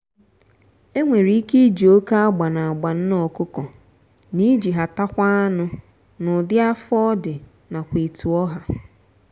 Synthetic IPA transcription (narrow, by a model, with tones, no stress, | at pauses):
e˦ŋʷe˨ɾi˦i˦ke˦d͡ʒi˨o˦ka˦a˦ɡ͡ba˨na˨a˨ɡ͡ba˨n̩˦nɔ˦kʊ˦kɔ˨ | ni˦d͡ʒi˨ɦa˨ta˦kʷa˦a˦nʊ˦ | nʊ˨dɪ˦a˦fɔ˦dɪ˨ | na˨kʷe˨tu˨ɔ˦ɦa˨